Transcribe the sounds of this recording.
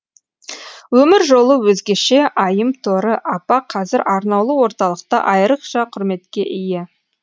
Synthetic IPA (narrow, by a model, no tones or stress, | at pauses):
wɵmɪɾʒo̞lˠəwɵzɡʲeʃe̞ʔɑjəmt̪ʰoɾəʔɑpɑqʰɑzɪɾʔɑɾnɑwlˠəwoɾt̪ɑlˠəq̚t̪ɑ̰ʔɑjɾəqʃɑqʰʊɾme̞t̪kʲe̞ʔɪjɪ